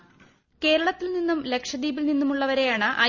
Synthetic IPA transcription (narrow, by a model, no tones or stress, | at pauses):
ke̞ːɾɐɭɐt̪ːilninːumle̞kʂɐd̪iːbilninːumuɭːɐʋɐɾe̞jaːɳɨʔɐ̰